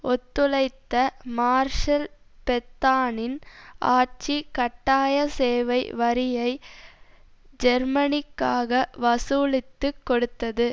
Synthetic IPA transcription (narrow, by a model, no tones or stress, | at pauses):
ʔɔt̪ːɯlɐɪt̪ːɐmaːɾʂɐl | pɛt̪ːaːnɪnʔa̰ːʈt͡ʃikɐʈːaːjɐseːʋɐɪʋɐɾɪjɐɪ | d͡ʒɛɾmɐnɪkːaːɣɐʋɐsuːlɪt̪ːɯkːɔɽɯt̪ːɐðɯ